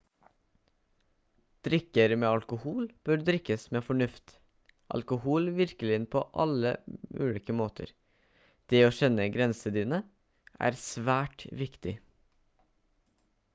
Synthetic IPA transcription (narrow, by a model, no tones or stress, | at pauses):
d̪̥ɾɪkəɾmeːɑlkʊhuːlb̥øːɾd̪ɾɪkəsmeːfɔɳʉft̪ | ʔɑ̰lkʊhuːlʋɪɾkəlɪənpʰoːʔɑlə̰ʉːliːkəmoːt̪ʰə̰ɾ | d̪̥eːoːʃɛnəɡɾɛnsəd̪iːnə | ʔæ̰ːɾsʋæːʈʋɪkt̪ɪ